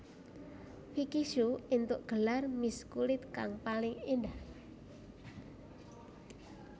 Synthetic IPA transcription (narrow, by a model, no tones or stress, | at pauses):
fikiʃuint̪ʊʔɡ̥əlarmiskulɪt̪̚kaŋpalɪŋendah